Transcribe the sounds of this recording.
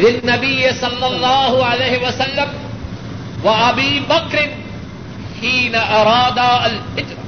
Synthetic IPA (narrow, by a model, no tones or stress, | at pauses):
lɪnːabɪjːɪsˤɑlːɑlˤːɑːhʊʕalajːhɪwasalːam | waʔabiːbakɾɪn | ħiːnaʔɑɾˤɑːd̪aʔalħɪd̪